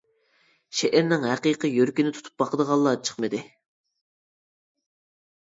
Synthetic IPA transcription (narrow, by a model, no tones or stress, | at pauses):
ʃɛʔɪɾnɪŋɦæqiqəjøɾkʲinɪt̪ʰu̥t̪ʰu̥p̚bɑqəd̪əʁɑlˠːɑt͡ʃʰə̥χmɨd̪ɪ